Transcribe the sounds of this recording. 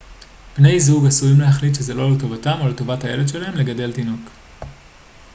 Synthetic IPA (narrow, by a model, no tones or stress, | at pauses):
pne̞jzuɡasujimleɦaχlit̪ʃeze̞lo̞leto̞vatamo̞leto̞vathaje̞le̞dʃe̞lahe̞mle̞ɡade̞ltino̞k